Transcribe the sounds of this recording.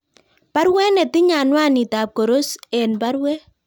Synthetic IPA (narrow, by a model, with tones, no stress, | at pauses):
pa˦ɾwɛ˦nɛ˨tɪ˦ɲa˨nwa˦˨ni˨ta˨p̚ko˨ɾo˦sɛ˨nba˦ɾwɛ˦